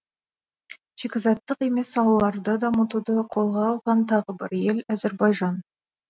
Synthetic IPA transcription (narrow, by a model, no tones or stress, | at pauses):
ʒ̥ekʲɪzɑt̪ːəqe̞me̞sɑw̪ˠɑlˠɑɾd̪əd̪ɑmət̪ud̪əqʰo̞lˠʁɑːlˠʁɑnt̪ʰɑʁəbɪɾje̞læzeɾbɑjʒɑn